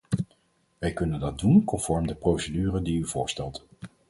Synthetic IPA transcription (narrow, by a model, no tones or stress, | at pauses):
ʋɛjkɵnəndɑt̚dunkɔnfɔɹmdəprowsədyːrədiyvʊːɹstɛlˠt